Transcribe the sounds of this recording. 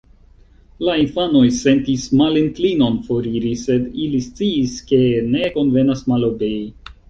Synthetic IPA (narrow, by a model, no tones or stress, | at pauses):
lainfano̞jse̞ntismalinklino̞nfo̞ɾiɾise̞dilist͡siːske̞ne̞ko̞nve̞nasmalo̞be̞i